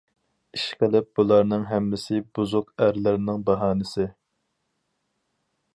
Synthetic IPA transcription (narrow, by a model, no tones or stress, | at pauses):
iʃqəlɪp̚b̥ulˠɑɾnɨŋɦɛmːɪsɪbuzʊqæɾlɪɾɪnɪŋbɑɦɑːnɪsɪ